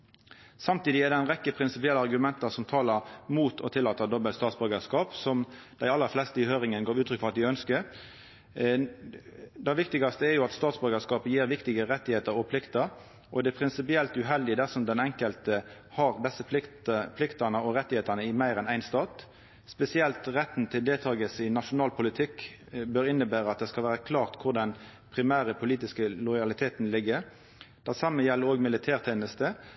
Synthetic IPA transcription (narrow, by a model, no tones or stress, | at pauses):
sɑmt̪iːd̪ɪæʁd̪ɛæɪnʁɛkːəpʰɾɪnsɪpɪɛlːəɑʁɡʉmɛnt̪ɑsɔmt̪ʰɑːləʁmuːt̪ʰɔt̪ʰɪlːɑːt̪əd̪ɔbəlt̪st̪ɑːt̪sbœɾɡəskɑːpsɔm | d̪̥æɪɑlːəɾflɛst̪əɪhøːʁɪŋənɡɑːʉːt̪ʰɾʏkːfɔʁɑt̪ɪœnskə | d̪ɛʋɪkt̪ɪɡɑst̪əɛɾjʊɑt̪st̪ɑːt̪sbœɾɡəskɑːpəjiːʁʋɪkt̪ɪɡəʁɛt̪ːɪheːt̪əɾɔpʰlɪkt̪əɾ | ʔɔd̪ɛpʰɾɪnsɪpɪɛlt̪ʉɦɛld̪ɪd̪æsɔmd̪ɛnɛŋkəlt̪ə | hɑʁd̪ɛsːəpʰlɪkt̪ɑnəɔɾɛt̪ːɪheːt̪ənəɪmæɪʁɛnæɪnst̪ɑːt̪ | spɛsɪɛlt̪ʁɛt̪n̩t̪ʰɪld̪eːlt̪ʰɑːɡəsɪnɑʂʊnɑːlpʰʊlɪt̪ʰɪkː | bøːɾɪnːəbæːʁəɑt̪̚d̪ɛskɑlʋæːʁəkʰlɑːʁt̪kʰʊʁd̪ɛn | pʰɾɪmæːʁəpʰʊliːt̪ɪskəlɔʏjɑlɪt̪ʰeːt̪n̩lɪɡːə | d̪̥æʁsɑmːəjɛlːəɾoːɡmɪlɪt̪ʰæːʁt̪ʰeːnəst̪ə